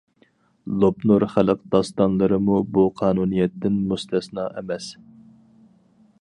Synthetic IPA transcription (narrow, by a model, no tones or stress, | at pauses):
lˠopnoɾχælɨqd̪̥ɑst̪ɑnlˠɨɾɨmubuqʰɑːnunijɛt̪ːɪnmust̪ʰɛsnɑːʔɛmɛs